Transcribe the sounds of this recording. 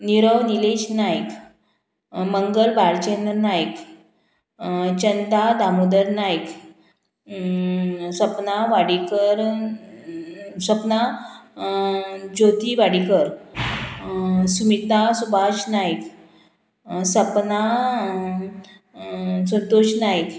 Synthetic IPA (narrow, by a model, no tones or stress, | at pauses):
niɾəʋnileɕnajk | məŋɡəlbʱaɾt͡ɕenəɾnajk | t͡ɕənd̪ad̪ʱamud̪əɾnajk | səpnaʋaɽikəɾ | səpna | d͡ʑot̪iʋaɽikəɾ | sumit̪asubʱaɕnajk | səpna | sənt̪oɕnajk